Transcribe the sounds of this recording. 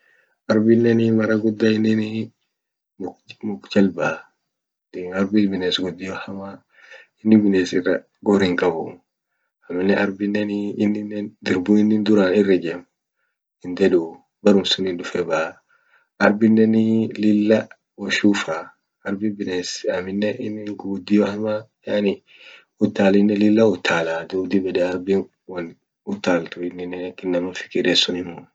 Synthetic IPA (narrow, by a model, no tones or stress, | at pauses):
ʔɐɾbɪnːɛnimɐɾɐɡʊd̪ːaɪnːɪni | mʊkd͡ʒɐlba | ɐɾbɪbɪneːsɡɔd̪ːɪjɔhɐma | ɪnːɪbɪneːsɪrːɐ | ɡɔɾɪŋkʼɐbʊ̰ | ɐmːɪnɛʔɐɾbɪnːɛniːnːɪnɛnd̪ɪɾbunɪnːɪnd̪ʊɾaːnɪrːɪd͡ʒɛm | ɪnd̪ɛdu | bɐɾʊmsʊnɪnᶑʊfɛbaː | ɐɾbɪnːɛnɪlɪlːɐ | wɔʃuːfa | ɐɾbɪbɪnesɐmɪnːɛɪnːɪŋɡuːd̪ɪjɔɐmajanɪ | ʊt̪ːaːlɪnːɛlɪlːɐʊt̪ʰːaːlad̪uːd̪ɪbɛdɛɐɾbi | wɐn | ʊt̪ːaːlt̪ʊɪnːɪnɛnɐkːɪnːɐmʊnfɪ̥kɪɾesʊnɪmʊ